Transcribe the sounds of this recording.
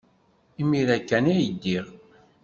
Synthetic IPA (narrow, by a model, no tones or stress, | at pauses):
imiɾækːænæjəd̪ːiʁ